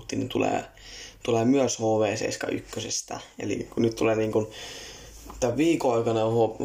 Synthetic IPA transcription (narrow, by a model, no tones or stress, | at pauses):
t̪ːiːnint̪ulḛː | t̪uleːmyøshoːʋeːsḛiskɑ̰ʔykːøsest̪æ̰ḛlḭkunyt̪t̪uleːniːŋkun | t̪æʋʋiːkoɑikɑnɑho